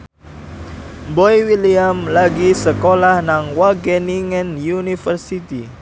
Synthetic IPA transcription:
bɔjwiliamlaɡisəkolahnaŋwaɡɛniŋɛnjunifərsit̪i

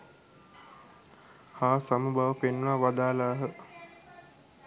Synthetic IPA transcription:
haːsamubaʋəpenʋaʋad̪aːlaːɦə

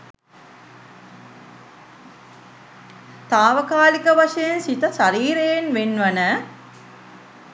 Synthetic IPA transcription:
t̪aːʋəkaːlikəʋaʂɐjensit̪əʃaɾiːɾejenʋenʋɐnə

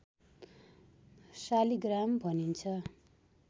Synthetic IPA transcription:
saliɡrambʱʌnint͡sʰʌ

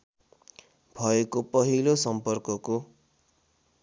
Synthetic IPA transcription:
bʱʌekopʌɦilosʌmpʌrkʌko

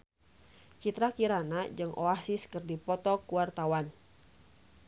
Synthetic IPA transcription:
t͡ʃit̪ɾakiɾanad͡ʒɨŋʔoasiskɨrdipɔt̪ɔkuart̪awan

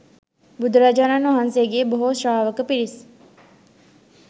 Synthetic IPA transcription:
bud̪uɾad͡ʒaːnanʋɐɦanseɡeːboɦoʃraːʋəkəpiɾis

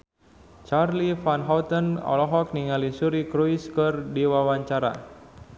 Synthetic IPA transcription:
t͡ʃarlifanɦawt̪ənɔ̰lɔɦɔk̚niŋalisuɾikɾuiskərdiwawaɲt͡ʃaɾa̰

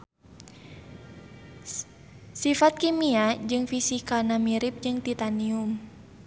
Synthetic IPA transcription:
sifat̪̚kimiad͡ʒɨŋfisikanamiɾip̚d͡ʒɨŋt̪it̪anium

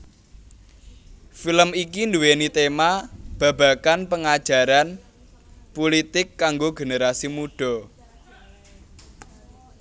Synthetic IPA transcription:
filəmikind̪uwenit̪emab̥ä̤b̥a̤kanpəŋad̥ʒ̥ä̤ɾan | pulit̪ɪkːaŋɡoɡe̤neɾasimuɖ̥ɔ̤

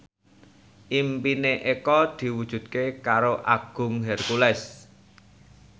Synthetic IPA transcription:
ʔimpineʔekɔd̪̥i̤wud̥ʒ̥ṳd̪̚kekaɾoʔa̰ɡ̥ʊ̤ŋɦɛrkulɛs

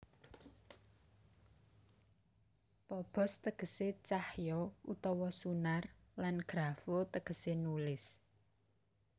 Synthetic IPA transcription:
pɔb̥ɔ̤st̪əɡ̥ə̤set͡ʃahjɔut̪ɔwɔsunarlanɡ̥ɾafot̪əɡ̥ə̤senulɪs

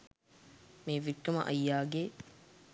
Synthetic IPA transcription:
meːʋiʈːɐmɐ̰ʔɐ̰jːaːɡe

